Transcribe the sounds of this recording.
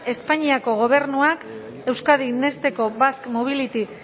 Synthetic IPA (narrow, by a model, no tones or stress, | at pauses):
e̞spaɲiako̞ɣ̞o̞β̞e̞ɾnuak | e̞wskaðine̞st̪e̞ko̞βaskmoβ̞ilit̪i